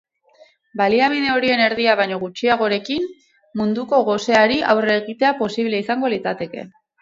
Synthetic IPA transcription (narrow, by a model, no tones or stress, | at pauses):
baliaβiðe̞o̞ɾie̞ne̞ɾðiaβ̞ajɲo̞ɣut͡ʃiaɣ̞o̞ɾe̞kim | mund̪uko̞ɣo̞se̞aɾiʔawreɣit̪e̞apo̞siβle̞isaŋɡo̞lit͡sat̪e̞ke̞̰